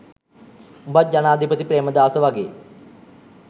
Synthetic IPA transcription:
umbat̪̚d͡ʑanaːd̪ʱipət̪ipɾeːməd̪aːsəʋaɡḛː

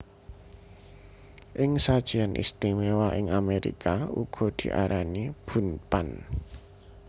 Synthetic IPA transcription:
ʔɪŋsad̥ʒ̥ianʔḭst̪imewaʔɪŋameɾḭkaṵɡ̥ɔ̤d̪̥i̤ʔa̰ɾʔanib̥ṳnpan

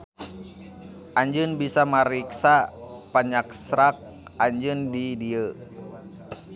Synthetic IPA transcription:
ʔaɲd͡ʒənbisaməɾiksapaɲaksɾak̚ | aɲd͡ʒəndidiə

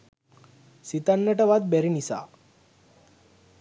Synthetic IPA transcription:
sit̪anːəʈəʋad̪̚bɛɾinisa̰

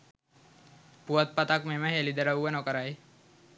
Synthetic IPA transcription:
puət̪̚pat̪akmeməɦelid̪əɾəuʋənokəɾaj

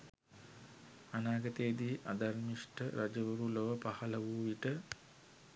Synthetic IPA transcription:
anaːɡət̪eːd̪iːʔad̪armiʂʈəɾad͡ʒəʋuɾuloʋəpahɐləʋuʋiʈə

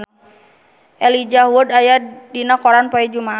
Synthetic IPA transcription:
ʔɛlid͡ʒaɦuudajadinakɔɾanpɔɛd͡ʒuma

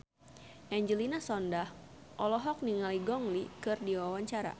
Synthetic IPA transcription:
ʔɛɲd͡ʒəlinasɔndahʔɔlɔɦɔk̚niŋaliɡɔŋlikɨrdiwawaɲt͡ʃaɾa̰

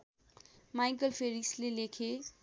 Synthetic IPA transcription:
majk̬əlfeɾikslelekʰe

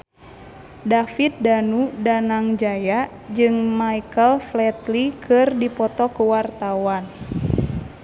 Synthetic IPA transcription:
dafit̪̚danudanaŋd͡ʒaja | d͡ʒɨŋmaikəlflɛt̪likʰɨrdipɔt̪ɔkuwart̪awan

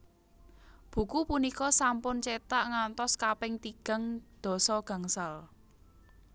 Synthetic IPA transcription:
b̥ṳkupunikɔsampʊnt͡ʃet̪aʔŋant̪ɔskapɪŋt̪iɡ̥a̤ŋd̪̥ɔ̤sɔɡ̥a̤ŋsal

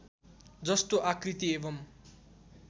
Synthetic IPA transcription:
d͡zʌst̪oʔakrit̪iebʌm

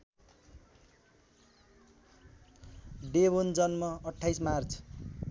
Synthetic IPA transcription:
ɖebond͡zʌnmʌʌʈʰːajsmart͡sʰ

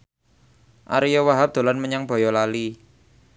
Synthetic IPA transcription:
ʔa̰ɾijɔwaɦap̚d̪̥o̤lanməɲaŋb̥ɔ̤jɔlali

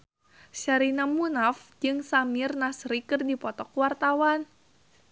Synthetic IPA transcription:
ʃaɾinamunafd͡ʒɨŋsamɪrnasɾikɨrdipɔt̪ɔkwart̪awan

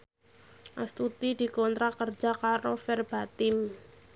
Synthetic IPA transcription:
ʔast̪ut̪id̪̥i̤kɔnt̪ɾakərd͡ʒ̥akaɾofɛrb̥at̪ɪm

